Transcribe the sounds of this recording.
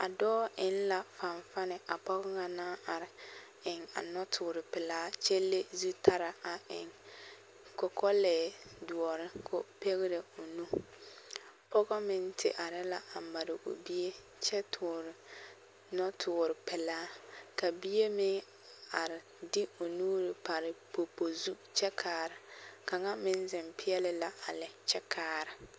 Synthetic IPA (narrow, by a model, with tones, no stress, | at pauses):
a˨dɔː˦ɪ˦n˦la˨fa˨ɱfa˦nɪ˨a˨pɔ˦ɣɔ˦ŋa˨naː˦a˨ɾɪ˨ | ɪ˨ŋa̰˨nɔ˦tʰʊː˨ɾɪ˨pɪ˨laː˦t͡ʃe˦lːe˦zu˦tʰa˦ɾa˨a˨ʔɪ˨ŋ | kɔ˨kʰɔ˦lɛː˨du˨ɔ˨ɾɪ˦kʰo˦pe˦ɣɪ˦ɾe˨o˨nu˦ | pɔ˦ɣɔ˦mɪ˦n˦tʰɪ̰˨ʔa˨ɾɪ˦la˨a˨m˨ba˨ɾɪ˨ʔo̰˨bi˦e˦ | t͡ʃɛ˦tʰʊː˨ɾɪ˨ | nɔ˦tʰʊː˨ɾɪ˨pɛ˨laː˦ka˨bi˦e˦mɪ˦ | a˨ɾɪ˨ | dɪ˦o˨nuː˦ɾɪ˨pa˨ɾɪ˨po˨po˨zu˦t͡ʃɛ˦kʰaː˦ɾɪ˨ka˨ŋa˦mɪ˦n˦zɪ˨mpɪ˦ɛ˦lɪ˦la˦a˨lɪ˨t͡ʃɛ˦kʰaː˦ɾɪ˨